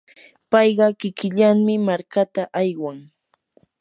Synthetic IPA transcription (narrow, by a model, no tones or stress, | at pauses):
pɑjɢɑkɪkɪʎaŋmɪmaɾkat̪aʔajwaŋ